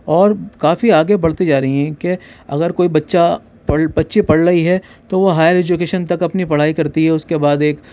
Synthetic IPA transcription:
ɔːɾkaːfiaːɡebɐɽ̤t̪id͡ʒaːɾɐɦiɦɛ̃keɐ̰ɡəɾkoːibɐtːʃa | pɐɽbɐtːʃipɐɽɾɐɦiɦɛ | t̪oʋoɦaːjəɾɛːd͡ʒʊkeːʃənt̪ɐkɐpnipɐɽ̤aːikɐɾt̪iɦɛʊskebaːd̪eːk

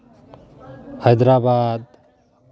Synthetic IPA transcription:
hʌjd̪ɾabad̪̚

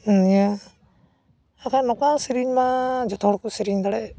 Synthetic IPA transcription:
ija | akʰanɔkasiɾiɲmad͡ʒɔt̪ʰɔɽkusiɾiɲd̪aɽɛ

